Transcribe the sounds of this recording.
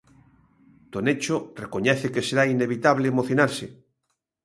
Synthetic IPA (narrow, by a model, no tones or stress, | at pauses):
t̪onet͡ʃorekoɲɛθekeseɾaineβit̪aβleːmoθjonaɾse